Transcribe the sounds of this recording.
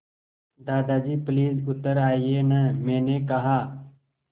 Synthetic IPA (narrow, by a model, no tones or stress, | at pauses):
d̪aːd̪aːd͡ʒiːpliːzʊt̪əɾaːiːeːnəmẽːnẽːkɐɦaː